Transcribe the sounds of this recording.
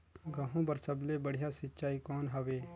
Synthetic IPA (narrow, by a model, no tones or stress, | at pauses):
ɡɐɦũbɐɾsɐblebɐɽ̤ijasɪtːt͡ʃaːikɔːnɦɐʋeː